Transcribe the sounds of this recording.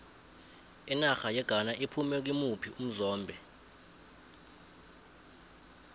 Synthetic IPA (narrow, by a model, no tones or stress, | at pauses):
inaxajɛɡ̥ʱanaʔipʰumɛk̬imupʰium̩zɔːmbʱɛ